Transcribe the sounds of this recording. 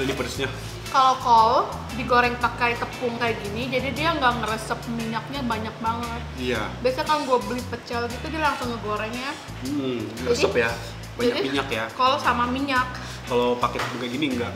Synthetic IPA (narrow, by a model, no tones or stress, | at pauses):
inipəɾəsɲa | kalokɔl | diɡoɾɛŋt̪akajt̪əpʊŋkajaɡinid͡ʒadidiaŋɡaʔŋəɾəsəp̚miɲak̚ɲabaɲak̚baŋət̪̚ijabiasakaŋɡuabəlɪpət͡ʃalɡit̪udialaŋsʊŋəɡoɾɛŋja | m̩əɾəsəpja | baɲakdimiɲakjaːɔlsamamiɲak | kalowpakɛt̪əpuŋkajɡiniŋɡaʔ